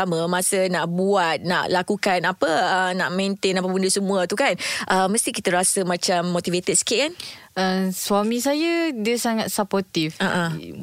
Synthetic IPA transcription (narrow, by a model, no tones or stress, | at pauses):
aməmãsənaʔbuat̪̚na̰ʔlakukanapəənaʔmẽnt̪enapapundəsəmũət̪ukanʔəməst̪ikit̪əɾasəmãt͡ʃamːot̪ivet̪ɛd̪̚sə̥kitʔ̚kan | əswamĩsajədiəsaŋat̪̚sapɔt̪ifaʔã